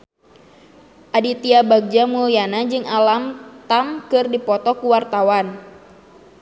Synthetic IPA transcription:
ʔadit̪iabaɡ̚d͡ʒamujanad͡ʒɨŋalamt̪amkɨrdipɔt̪ɔkuwart̪awan

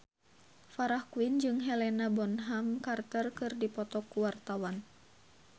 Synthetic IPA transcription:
faɾahkuind͡ʒɨŋɦɛlɛnabɔnɦaŋkart̪ərkɨrdipɔt̪ɔkuwart̪awan

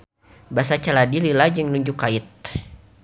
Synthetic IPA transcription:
basat͡ʃaladililad͡ʒɨŋnuɲd͡ʒʊkːaɪt̪̚

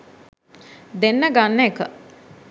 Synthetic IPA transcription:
d̪enːəɡanːəekə

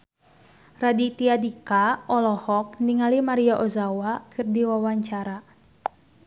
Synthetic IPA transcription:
radit̪iadikaɔlɔhɔk̚niŋalimaɾiaʔozawakʰɨrdiwawaɲt͡ʃaɾa

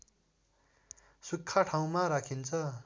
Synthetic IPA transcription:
sukʰːaʈʰaw̃maɾakʰint͡sʰʌ

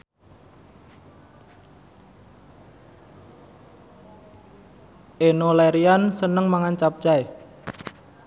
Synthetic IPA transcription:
ʔenolɛɾiansənəŋmaŋant͡ʃap̚t͡ʃae

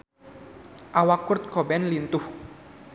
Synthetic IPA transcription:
ʔawakʊrt̪̚kɔbɛnlint̪ʊh

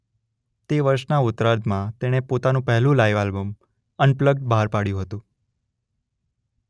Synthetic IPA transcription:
t̪eʋəɾʃnaʊt̪ɾaɾd̪mãt̪eɽ̃epot̪anũpɛɦlũlaiʋalbəm | ənpləɡ̚ɖ̚bʱaɾpaɽjũɦət̪ũ

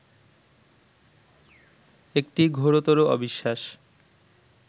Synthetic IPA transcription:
ek̚ʈiɡʱoɾot̪oɾoɔ̰biʃːaʃ

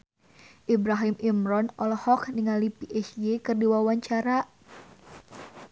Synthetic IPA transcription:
ʔibɾaɦimʔimɾɔnɔlɔhɔkniŋalipiʔɛsjekɨrdiwawaɲt͡ʃaɾa

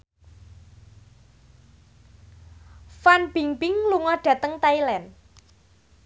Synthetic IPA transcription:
fanb̥iŋbɪŋluŋɔɖ̥ä̤t̪əŋt̪ailɛn

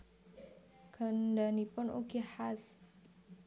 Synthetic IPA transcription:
ɡ̥ə̤ndanipʊnṵɡihas

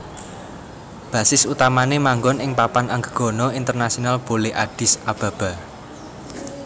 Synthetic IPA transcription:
b̥ä̤sɪsut̪amanemaŋɡɔnɪŋpapanaŋɡəɡ̥ɔ̤nɔint̪ərnasionalb̥oleʔaɖ̥ɪ̤sab̥a̤b̥a̤

